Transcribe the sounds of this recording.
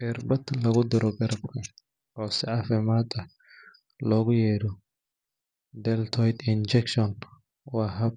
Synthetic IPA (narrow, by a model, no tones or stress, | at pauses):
ʔɛrbɐd̪lɐɣʊd̪ɪɾɔɡɐɾɐbkʰɐ | ɔːsɪʕɑfɪmaːd̪ɐ | lɔːɣʊjɛːɾɔ | d̪ɛlt̪ʰɔjd̪ɪnd͡ʒɛkʃɔn | wɑːɦɐb